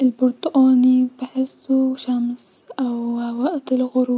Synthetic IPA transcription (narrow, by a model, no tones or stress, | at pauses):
ʔɪlbʊɾt̪ˤʊʔaːnibɪħɪsːuʃams | ʔawwaʔt̪ɪlɣʊɾ